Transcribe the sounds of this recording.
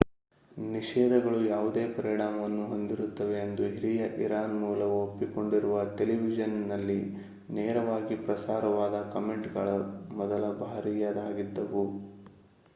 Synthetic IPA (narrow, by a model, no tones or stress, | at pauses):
niʂɛːd̪ɐɡɐɭujaːʋud̪e̞ːpɐɾiɳaːmɐʋɐnːuɦo̞nd̪iɾut̪ːɐʋe̞ːnd̪uɦiɾijɐʔiɾaːnmuːlɐʋopːiko̞ɳɖiɾuʋɐʈe̞liʋid͡ʒɐnnɐlːi | nɛːɾɐʋaːɡipɾɐsaːɾɐʋaːd̪ɐkɐme̞ɳʈɡɐɭɐmɔd̪ɐlɐbʱaːɾijad̪aːɡid̪ːɐʋu